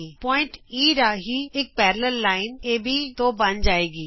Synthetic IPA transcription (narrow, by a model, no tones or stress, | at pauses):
ipɔːɪ̃ɳʈiːɾaːɦiɪk̚pɛːɾləɾlaːɪneːbʱit̪oːbɐ̃nd͡ʒaːeːɡiː